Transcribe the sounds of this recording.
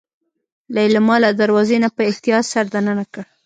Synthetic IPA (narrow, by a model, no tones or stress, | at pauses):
lalamɑlad̪aɾwɑzenapəɪht̪ijɑt̪saɾd̪ananakəɽ